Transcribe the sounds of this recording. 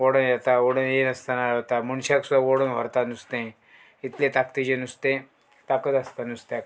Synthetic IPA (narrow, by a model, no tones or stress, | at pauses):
oɽənjɛt̪aoɽənjenəst̪anaɭət̪amunɕaksud̪ʱaʋoɽənʋə̰ɾt̪anust̪ẽ | it̪let̪akt̪id͡ʑenust̪ẽ | t̪akət̪ɐst̪anust̪jak